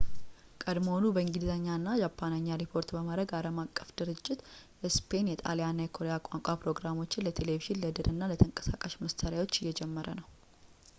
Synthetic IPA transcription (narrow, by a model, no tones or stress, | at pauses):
kʼəd̪mhonubəɨŋɡizəɲːanːad͡ʒapʰːanəɲːaɾipʰo̞ɾt̪bəmad̪ɾəɡaləmakʼːəfd̪̥ɨɾɨd͡ʒʼːɪt̪ | ɛspʰe̞njɛt̪ʼa̰lejanːajɛkʰo̞ɾe̞jakʷʼaŋkʷʼapɾo̞ɡɾamo̞t͡ʃːɪnlət̪ʰe̞le̞viʒɪnləd̪ɨɾʔɨnːalət̪ʰəŋkʼə̥sakʼaʃməst̪ʰəɾjawo̞t͡ʃːɪjːɛd͡ʒɛmːəɾənəw